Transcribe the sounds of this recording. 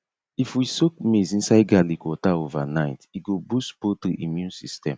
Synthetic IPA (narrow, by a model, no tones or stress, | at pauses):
ifwisok̚mezĩnsaɪɡalikwɔtaovanaɪtiɡobuspotɾuʔimjũnsistɛ̰̃m